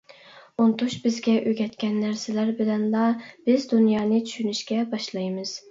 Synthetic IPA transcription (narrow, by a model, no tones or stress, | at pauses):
ont̪ʰuʃbɪzɡʲɛʔøɡʲɛt̪kʲɛnːæɾsɪlæɾbɪlɛnlˠɑb̥ɪzd̪unjɑːnɨt͡ʃʲʰy̥ʃynyʃkʲɛbɑʃlˠɑjmɨz̥